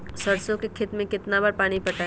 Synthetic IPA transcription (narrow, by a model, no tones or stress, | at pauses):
sɐɾsõkekʰɪt̪mẽkɪt̪nabaːɾpaːɽ̃ipɐʈa